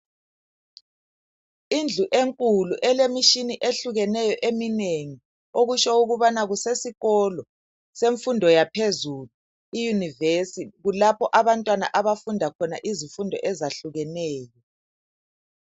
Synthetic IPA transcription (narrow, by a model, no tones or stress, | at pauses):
ind͡ɮʱuʔeŋkʼuluʔɛlemiʃiniʔeɬuɣɛnɛjɔʔemineŋi | oɣuʃɔuɣuβanaɣusesiɣɔlɔ | seɱfundʱɔjapʰezulu | ijunivesiɣulapʰɔʔaβantʼwana̰ʔaβafundʱakʰɔna̰ʔizifundʱɔ̰ʔɛzaɬuɣɛnɛːjɔ